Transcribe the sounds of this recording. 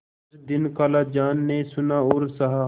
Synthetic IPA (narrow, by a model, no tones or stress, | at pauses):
d̪ɪnkaːlaːd͡ʒaːnːesʊnaʊɾsɐɦa